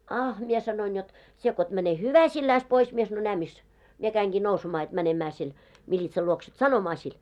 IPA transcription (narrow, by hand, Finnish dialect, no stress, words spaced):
ɑh mie sɑnoin jot sie ko et mæne hyʋæsilːæis pois mie sɑnoi næː mis mie kæiŋɡ̊iː nousemɑː jot mænemæː sen milʲitsɑl luoks et sɑnomɑː sil